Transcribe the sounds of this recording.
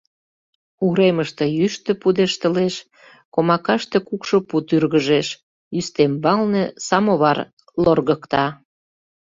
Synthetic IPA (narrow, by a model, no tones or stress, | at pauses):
uɾeməʃt̪ĕjyʃt̪ə̆pud̪eʃt̪ə̆leʃ | komɑkɑʃt̪e̽kukʃoput̪yrɣəʒeʃ | yst̪embɑlnesɑmoβɑr | lorɣəkt̪ɑ